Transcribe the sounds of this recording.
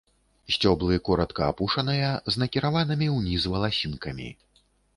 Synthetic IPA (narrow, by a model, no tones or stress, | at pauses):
sʲt͡sʲɔblˠɨkɔɾɐt̪kɐːpuʂɐnɨjɐznɐkʲiɾavanɨmʲiwnʲizvɐlˠasʲinkɐmʲḭ